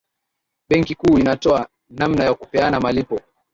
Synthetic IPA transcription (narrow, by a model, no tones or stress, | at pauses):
ɓɛŋkikuːinatɔa | namnajakupɛanamalipɔ